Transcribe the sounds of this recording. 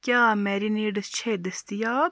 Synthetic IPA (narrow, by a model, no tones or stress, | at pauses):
kʲaːmɛːɾiniːɖəst͡ʃʰeːd̪əst̪ijaːb